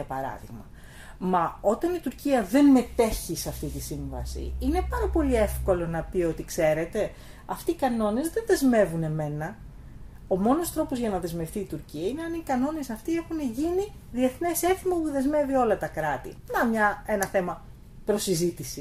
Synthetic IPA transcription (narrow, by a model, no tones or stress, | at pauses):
ɐpɐɾɐ̰ðḭɣmɐ | mɐo̞t̪ɐnit̪uɾciɐðe̞nme̞t̪e̞çisɐft̪it̪isiɱvɐ̰sḭine̞pɐɾɐpo̞lie̞fko̞lo̞nɐpio̞t̪ikse̞ɾe̞t̪e̞ | ɐft̪iːkɐno̞ne̞zðe̞nðe̞zme̞vune̞me̞nɐ | o̞mo̞no̞st̪ɾo̞po̞zʝɐnɐðe̞zme̞fθiːt̪uɾciɐine̞ɐnikɐno̞ne̞sɐft̪ie̞xuneʝini | ðie̞θne̞se̞θimɐpuðe̞zme̞vio̞lɐt̪ɐkɾɐt̪ḭnɐmɲɐe̞nɐθe̞mɐ | pɾo̞sizit̪isi